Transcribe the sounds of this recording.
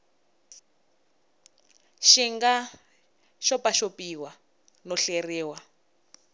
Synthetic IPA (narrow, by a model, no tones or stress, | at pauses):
ʃiŋɡa | ʃɔpaʃopiwa | nɔɬeriːwa